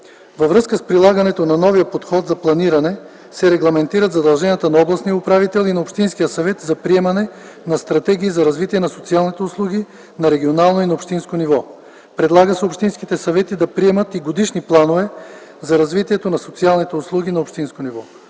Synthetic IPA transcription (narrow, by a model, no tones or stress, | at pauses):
vɐvɾɤskəspɾilˠaɡɐnɛt̪onɐnɔvijəpot̪xɔt̪zɐplˠɐniɾɐnɛ | sɛɾɛɡlˠɐmɛnt̪iɾət̪zɐd̪ɐlˠʒɛnʲjət̪ənɐɔblˠɐsnijəʊpɾavit̪ɛlˠinɐopʃt̪inskijəsɐvɛt̪zɐpɾiɛmɐnɛ | nɐst̪ɾɐt̪ɛɡʲiːzɐɾɐzvit̪iɛnɐsot̪sialˠnit̪ɛʊslˠuɡ̟i | nɐɾɛɡʲionalˠnoinɐopʃt̪inskonivɔ | pɾɛd̪lˠaɡəsɛopʃt̪inskit̪ɛsɐvɛt̪id̪ɐpɾiɛmət̪iɡod̪iʃniplˠanovɛzɐɾɐzvit̪iɛt̪onɐsot̪sialˠnit̪ɛʊslˠuɡ̟inɐopʃt̪inskonivɔ